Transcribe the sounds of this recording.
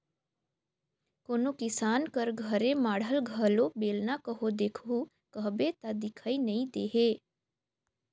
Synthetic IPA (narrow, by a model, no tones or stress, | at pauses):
koːnokɪsaːnkəɾɡʱəɾemaːɽ̤əlɡʱəlobeːlnakəɦod̪eːkʰɦu | kəɦbet̪ad̪ɪkʰaːinəĩd̪eːɦeː